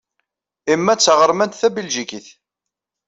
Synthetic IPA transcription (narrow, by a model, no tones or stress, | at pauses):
imːæt͡sːʁəɾˤmænt̪θæbilʒikiθ